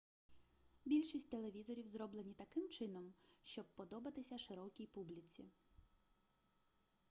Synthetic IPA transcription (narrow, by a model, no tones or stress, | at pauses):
bʲilʲʃisʲtʲt̪e̞lˠeʋʲizɔɾʲiwzɾɔblenʲit̪ɐkɪmt͡ʃɪnɔmʃt͡ʃɔb̚pɔd̪ɔbɐt̪ɪsʲɐʃɪɾɔkʲijpublʲit͡s̪ʲḭ